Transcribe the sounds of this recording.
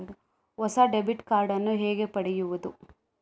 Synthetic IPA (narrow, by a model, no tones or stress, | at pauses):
ɔsaɖebiʈkaːɾɖɐnːuɦeːɡe̞pɐɽejuʋud̪u